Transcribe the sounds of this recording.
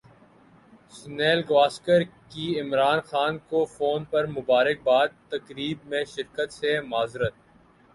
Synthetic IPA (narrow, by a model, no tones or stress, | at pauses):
sneːlɡʋaːskəɾkiɪmɾaːnxaːnkofoːnpɐɾmʊbaːɾɪk̚baːd̪̚t̪ɐkɾiːbmẽʃɪɾkət̪semaːzɾət̪̚